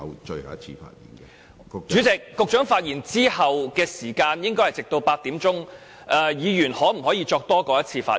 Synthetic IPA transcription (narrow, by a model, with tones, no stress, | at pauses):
ɐ̰˨˧wt͡ʃə˧ɥhɐ̰˨˩ɐ˥t͡sʰḭː˧fa̰ː˧t̚jḭː˨˩nkɛ˧ | t͡ʃyː˨˥t͡sɪ˨k̚ːʊ˨˧k̚t͡ʃœː˨˥ŋfaː˧t̚jiː˨˩nt͡siː˥hɐ˨wkɛː˧siː˨˩kaː˧njɪ˥ŋkɔː˥jhɐ˨jt͡sɪ˨k̚t̪o˧wpaː˧t̚t̪iː˨˥mt͡sʊ˥ŋ | ʔɐː˨˧jiː˨˧jyː˨˩nhɔː˨˥m̩˨˩hɔː˨˥jiː˧t͡ʃɔː˧k̚t̪ɔː˥kɔː˧jɐ˥t̚t͡sʰiː˧fa̰ː˧